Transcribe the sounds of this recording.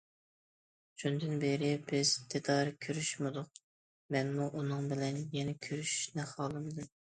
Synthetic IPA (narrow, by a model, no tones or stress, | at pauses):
ʃʰund̪ɨnbeɾɪbɪz̥t̪ʰɪd̪ɑɾkʲʰøɾyʃmɨd̪ʊq̚ | mɛnmuʔunɨŋbɪlɛnjɛnɛkʲʰøɾyʃʃnɛχɑːlˠɨmd̪ɨm